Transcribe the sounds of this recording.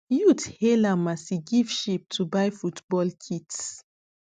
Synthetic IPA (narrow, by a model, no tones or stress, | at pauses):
juthelamasiɡiv̥ʃip̚tʰubajfutbɔlkʰits